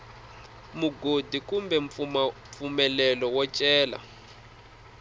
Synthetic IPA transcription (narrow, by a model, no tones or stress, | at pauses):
muɡodikumbɛɱ | fumɛlɛlɔwɔt͡ʃʼɛːla̰